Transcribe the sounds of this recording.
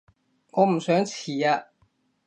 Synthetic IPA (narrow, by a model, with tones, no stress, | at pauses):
ŋɔː˨˧m̩˨˩sœː˨˥ŋt͡sʰiː˨˩aː˧